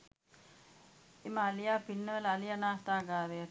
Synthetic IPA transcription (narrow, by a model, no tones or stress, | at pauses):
eməalijaːpinːəʋələːlijanaːt̪aːɡaːɾeja